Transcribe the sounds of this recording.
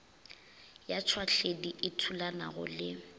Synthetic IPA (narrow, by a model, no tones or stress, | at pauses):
jat͡ʃʰwaɬediʔɪtʰulana̰ɣʊ̰lɪ